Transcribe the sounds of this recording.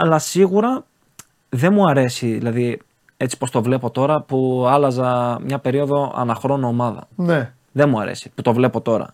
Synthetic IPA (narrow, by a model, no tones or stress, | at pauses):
ɐlɐsiɣuɾɐ | ðe̞muɐɾe̞siðḭlɐði | e̞t͡si̥po̞st̪o̞vle̞po̞t̪o̞ɾɐpuɐlɐzɐmɲɐpe̞ɾio̞ðo̞ɐ̰nɐxɾo̞nuomɐðɐ̰ne | ðe̞nmuɐ̰ɾe̞̰si̥put̪o̞vle̞po̞t̪o̞ɾɐ̰